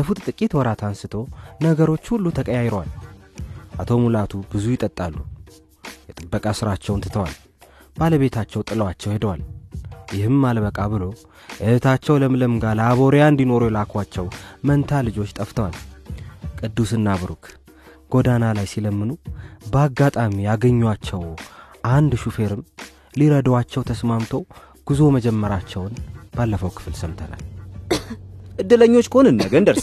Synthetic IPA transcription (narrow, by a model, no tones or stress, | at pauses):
bəfut̪ʼt̪ʼɨkʼːit̪wɔɾat̪ʰansɨt̪ʰo̞nəɡəɾo̞t͡ʃːhulːut̪ʰəkʼəjajɾwa̰l | ʔat̪ʰo̞mulat̪ʰubɨzujɪt̪ʼət̪ʼːalːu | jɛt̪ʼɨbːəkʼasɨɾat͡ʃːɛwnt̪ɨt̪ʰəwal | baləβe̞t̪ʰat͡ʃːɛwt̪ʼɨləwat͡ʃːɛwhe̞d̪əwaljɪhɨmːalβəkʼaβɨlo̞ | ʔət̪ʰat͡ʃːɛwləmləmɨɡalaβo̞ɾjaɨnd̪ino̞ɾujɛlakʰwat͡ʃːɛwmənt̪ʰalɨd͡ʒo̞t͡ʃːt̪ʼəft̪ʰəwal | kʼɨd̪ːusɨnːaβɨɾukʰ | ɡ̥o̞d̪analajsiləmːɨnubəaɡːat̪ʼamijaɡəɲːwat͡ʃːɛwʔand̪ʃufe̞ɾɨm | liɾəd̪wat͡ʃːɛwt̪ʰəsmamt̪ʰo̞ | ɡ̥ɨzoməd͡ʒɛmːəɾat͡ʃːɛwnb̥alːəfəwkʰɨ̥fɨlsəmt̪ʰəna̰l | ʔɨd̪ːɨləɲːot͡ʃːkəhonɨnːəɡənd̪əɾ